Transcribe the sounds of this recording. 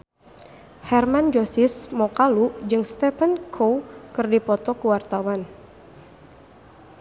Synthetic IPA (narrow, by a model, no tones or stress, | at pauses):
hɛrmand͡ʒosɪsmɔkalud͡ʒɨŋst̪ɛfənkʰowkɨrdipɔt̪ɔkuwart̪awan